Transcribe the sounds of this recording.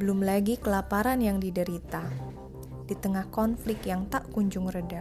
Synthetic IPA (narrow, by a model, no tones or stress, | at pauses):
bəlʊmlaɡikəlapaɾanjaŋdidəɾit̪a | d̥it̪əŋahkɔnflɪkjaŋt̪aʔkuɲd͡ʒʊŋrəda